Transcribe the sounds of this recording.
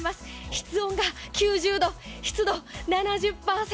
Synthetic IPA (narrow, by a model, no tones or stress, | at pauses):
masɨ̥çi̥t͡sɨõ̞ŋɡakʲɨːʑɨːd̪o̞çi̥t͡sɨd̪o̞nanaʑɨpːaːse